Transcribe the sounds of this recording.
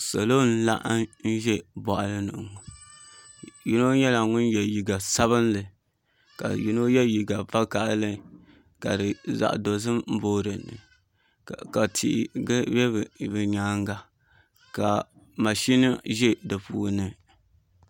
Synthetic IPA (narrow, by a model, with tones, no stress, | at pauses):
sa˨lo˦n̩˦la˦ʔa˦n̩˦ʒɛ˦bɔ˨ʔa˨lɨ˦nɨ̰˨ŋ˨ | ji˦no˦ɲɛ˦la˨ŋʊ˦njɛ˨ji˨ɡa˨sa˦βɨ˦nlɨ˨ | ka̰˨ji˦no˦jɛ˦ji˨ɡa˨va˦ka˨ʔlɨ˦ | ka̰˨dɨ˨za̰˨ʔdo˨zɨ˦mm̩˦boː˦ɾɨ˨nɨ̰˨ | ka˨tʰḭ˨ʔbɛ˦˨bɨ˨ɲa˦ŋɡa˨ | ka˨ | ma˨ʃi˦na˦ʒɛ˦dɨ˨puː˦nɨ˦